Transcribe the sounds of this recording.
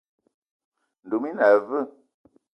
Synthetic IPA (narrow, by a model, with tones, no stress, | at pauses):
n̩˨du˨mi˦na˨və˦